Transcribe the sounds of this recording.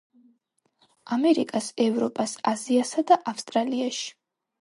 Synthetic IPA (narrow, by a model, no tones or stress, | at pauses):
amɛɾikʼasɛvɾɔpʼasaziasad̪aʔafst̪ʼɾaliaʃi̥